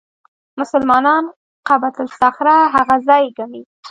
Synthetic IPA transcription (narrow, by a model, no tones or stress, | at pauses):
mʊsʊlmɑnɑn | qabat̪ʊlsaxɾaɦaɣazɑjɡami